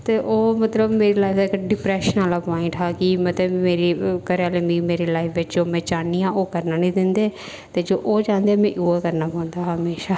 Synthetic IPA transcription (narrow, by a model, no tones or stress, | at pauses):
t̪eːʔoːmət̪ləbmeːɾeːlaːɪkɖɪpɾɛːʃənaːlaːpɔːɪ̃ɳʈɦaːkiːmət̪ləbmeːɾiːkəɾaːlemiːmeːɾeːlaːɪfʰʋɪt͡ʃd͡ʒoːmɛ̃ːd͡ʒaːniːãːʔoːkəɾnaːnĩːd̪ɪnd̪eː | t̪eːd͡ʒoːʔoːd͡ʒãːnd̪eaːmɛ̃ːʔuːakəɾnaːpãːnd̪aːɦəmeːʃaː